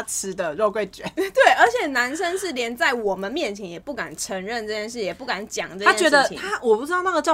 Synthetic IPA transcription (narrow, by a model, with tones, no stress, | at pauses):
t͡s̩ʰ˧˥d̪ə˨ɻo˥˧ʊkwe˥˩ɪt͡ɕɥɛ̰˨˩˦t̪we˥˩ɪʔə˞˧˥t͡ɕʰjɛ˨˩na˧˥nʂə˦nʂɻ̩˥˩ljɛ˧˥nt͡sa˥˩ɪwɔ˨˩mə˦nmjɛ˥˨˩nt͡ɕʰjɛ˧˥njɛ˨˩pu˥˩ka˨˩nʈ͡ʂʰə˧˥ŋɻə˥˧nʈ͡ʂɤ˥˧t͡ɕjɛ˥˧nʂɻ̩˥˩jɛ˨˩pu˥˩ka˧˥˦nt͡ɕjɑ̰˨˩ŋʈ͡ʂɤ˥˧a˥ɛ˥t͡ɕɥɛ˧˥˧d̪ə˧˩i˨t̪ʰa˥wɔ˨˩pu˥˩ʈ͡ʂɻ̩˥ɑ˥˧ʊna˥˩ɡə˩t͡ɕjɑ˥˧